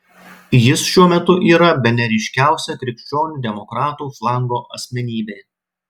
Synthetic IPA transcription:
jɪsʃʲuɔmʲɛt̪ʊʔiːɾɐbʲɛnʲɛɾʲɪʃʲkʲæˑʊsʲɛk̪ɾʲɪkʃʲt͡ʃʲoːnʲud̪ʲɛmɔkɾɑːt̪uːflˠɑŋɡoːʔɐ̰sʲmʲɛnʲiːbʲeː

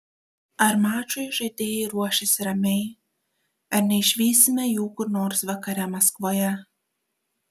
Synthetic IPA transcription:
ɐɾmɑːt͡ʃoːjʒɐɪd̪ʲeːjɛɪɾuɔʃʲɪsʲɾɐmʲɛɪ | ɐɾnʲɛɪʃʲʋʲiːsʲɪmʲɛjuːkʊɾnoːɾsʋɐkɐɾʲɛmɐskʋoːjɛ

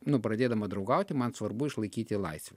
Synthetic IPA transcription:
nʊpɾɐd̪ʲeːd̪ɐmɐd̪ɾɒʊɡɐʊt̪ʲɪmɐnsʋɐɾbʊɪʃlˠɐɪkʲiːt̪ʲɪlˠɐɪsʲʋʲɛ

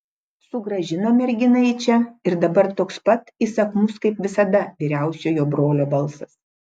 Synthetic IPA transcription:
sʊɡɾɐʒʲɪnomʲɛɾʲɡʲɪnɐɪt͡ʃʲɛɪɾd̪ɐbɐɾt̪oːkspɐt̪isɐkmʊskɐɪpʋʲɪsɐd̪ɐʋʲiːɾʲæˑʊsʲoːjoːbɾoːlʲoːbɐlˠsɐs

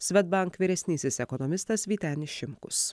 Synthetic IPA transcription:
sʲʋʲɛd̪bɐŋkʋʲiɾʲɛsʲnʲiːsʲɪsɛkɔnɔmʲɪst̪ɐsʋʲiːt̪ʲænʲɪʃʲɪmkʊs

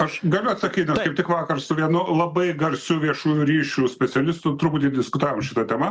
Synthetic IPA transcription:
ɐʃɡɐlʲʊɐt̪sɐkʲiːnʲɐskɐɪpt̪ʲɪkʋɑːkɐrsʊʋʲiɛnʊlˠɐbɐɪɡɐrʲsʲʊʋʲiɛʃuːjuɾʲiːʃʲuːsʲpʲɛtsʲɛlʲɪst̪ʊt̪ʊɾbuːt̪ʲid̪ʲɪskʊt̪ɑːʋoːmʃʲɪt̪ɐt̪ʲɛmɐ

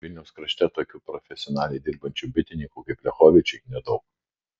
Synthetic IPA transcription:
ʋʲɪlʲnʲɛʊskɾɐʃʲt̪ʲɛt̪oːkʲuːpɾɔfʲɛsʲɪɔnɑːlʲɛɪd̪ʲɪɾbɐnʲt͡ʃʲubʲɪt̪ʲɪnʲɪŋkuːkɐɪplʲɛxoːʋʲɪt͡ʃʲʊɪnʲɛd̪ɒʊk

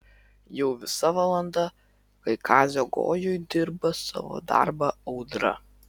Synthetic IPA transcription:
jɛʊʋʲɪsɐʋɐlˠɐnd̪ɐ | kɐɪkʰɑːzʲoːɡo̰ːjʊjd̪ʲɪɾbɐsɑ̰ʋo̰ːd̪ɑ̰ɾbɐɐʊd̪ɾɐ̰

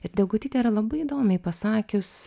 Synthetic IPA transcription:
ɪɾd̪ʲɛɡʊt̪ʲiːt̪ʲɛiɾɐlˠɐbɐɪid̪oːmʲɛɪpɐsɑːkʲʊs

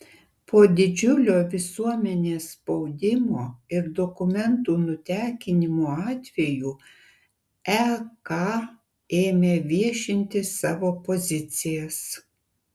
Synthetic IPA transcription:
poːd̪ʲɪd͡ʒʲʊlʲoːʋʲɪsuɔmʲɛnʲeːsspɔʊd̪ʲɪmoːɪɾd̪ɔkʊmʲɛnt̪uːnʊt̪ʲæːkʲɪnʲɪmoːɑːt̪ʲʋʲɛjuː | ɛkɑ | eːmʲeːʋʲiɛʃʲɪnʲt̪ʲɪsɑːʋoːpozʲɪt̪sʲɪjɛs

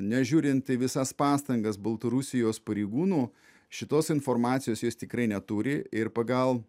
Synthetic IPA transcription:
nʲɛʒʲuːɾʲɪnt̪̚t̪ɐɪʋʲɪsɐspɑːst̪ɐŋɡɐsbɐlˠt̪ɐɾʊsʲɪjoːspɐɾʲɛɪɡuːnuː | ʃʲɪt̪oːsɪnfoɾmɑːt̪sʲɪjoːsjoːst̪ʲɪkɾɐɪnʲɛt̪uɾʲɪɪɾpɐɡɐlˠ

